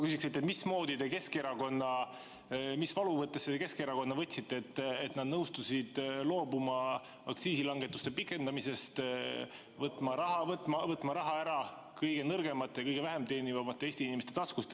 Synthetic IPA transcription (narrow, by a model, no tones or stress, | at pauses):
kysikset̪ːˑet̪mismo̞ːd̪id̪e̞ke̞skeɾɑko̞nːɑ | misvɑluvɤt̪ːesːeeke̞skeɾɑko̞nːɑvɤt̪ʲsit̪ːˑeet̪ːet̪nɑd̪nɤwst̪usid̪̥lo̞ːbumɑ | ɑkt̪siːsilɑŋɡet̪ːˑu̥st̪e̞pikːˑe̞nd̪̥ɑmise̞st̪ | vɤt̪ːˑmɑɾɑɦɑvɤt̪ːˑmɑvɤt̪ːˑmɑɾɑɦɑæɾɑ | kɤjɡ̥e̞nɤrɡe̞mɑt̪ːˑjɑkɤjɡe̞væɦe̞mt̪e̞ːnivɑmɑt̪ːˑeeːsʲt̪iinimest̪e̞t̪ɑskust̪